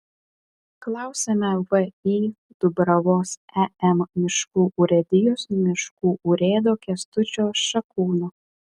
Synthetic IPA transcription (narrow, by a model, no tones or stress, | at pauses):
klˠɑˑʊsʲɛmʲɛʋəiː | d̪̥ʊbɾɐʋoːsɛɛmmʲɪʃkuːʔuːɾʲɛd̪ʲɪjoːsmʲɪʃkuːʔuːɾʲeːd̪oːkʲiɛst̪ʊt͡ʃʲoːsʃɐkuːno